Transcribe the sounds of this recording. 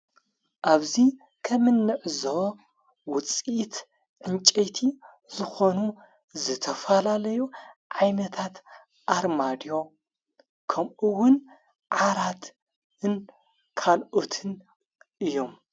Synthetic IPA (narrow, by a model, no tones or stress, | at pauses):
ʔaβzi | kʰɐmɨnːɨʕzo | wʊt͡sʼːt̪ | ʕɨnt͡ʃʼejt̪ʰi | zɨxonu | zɨt̪ʰɐfɐlalɐjuʕajnɐt̪ʰat̪ | ʔaɾmad̪jo̞ | kʰɐmʔɨwʊn | ʕaɾat̪ | ɨn | kʰalʔot̪ʰɨn | ʔɨjːo̞m